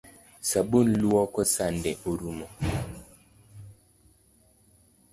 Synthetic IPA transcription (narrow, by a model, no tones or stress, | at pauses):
sabunluɔkɔsandɛoɾumɔ